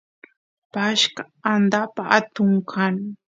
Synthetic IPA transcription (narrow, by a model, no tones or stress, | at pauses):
paʃkaːnd̪apaʔat̪ʊŋkʰaŋ